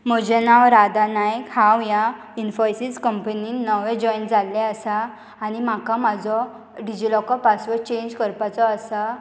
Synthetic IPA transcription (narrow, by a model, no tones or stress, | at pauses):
m̤əd͡ʑɛnawɾad̪anajkhãwja | infɔjsid͡zkəmpəninːəʋɛ̃d͡ʑɔjnd͡zalːɛəsaː | nim̤akamad͡zɔ | ɖid͡ʑilɔkɔpasʋət͡ɕẽɲd͡ʑkəɾpat͡sɔəsa